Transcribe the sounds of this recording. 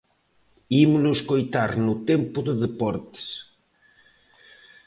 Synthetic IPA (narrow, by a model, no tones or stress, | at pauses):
imnʊskojt̪aɾnʊt̪empʊðeðepɔɾt̪ɪ̥s